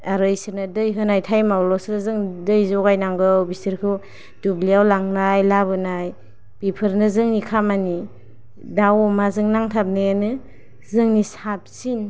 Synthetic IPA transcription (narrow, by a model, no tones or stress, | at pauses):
aɾɯjsɯɾnadɯjɦɯnajtʰajmawlɔsɯɾnazɯŋdɯjzɔɡajnaŋɡɯwbisiɾkʰɯw | dubliawlaŋnajlabɯnaj | pipʰɯɾnɯzɯŋnikʰamani | dawɔmazɯŋnaŋtʰap̚nejanɯ | zɯŋnisap̚sin